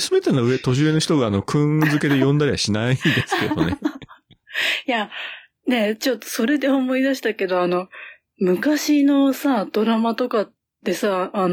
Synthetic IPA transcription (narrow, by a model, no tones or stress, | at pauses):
sɨmet̪enae̞t̪o̞ʑɨeno̞çi̥t̪oɡaːno̞kʰɯ̟̃zɨke̞d̪ejõ̞nd̪aɾʲiβa̰ɕinaind̪esɨ̥ke̞d̪o̞̰ne | ja | ne̞t͡ɕo̞t̪ːoso̞ɾe̞d̪e̞o̞mo̞id̪aɕi̥t̪ake̞d̪o̞ano̞ | mɯ̟kaɕino̞sad̪̥o̞ɾamat̪o̞kat | t̪ːe̞saːn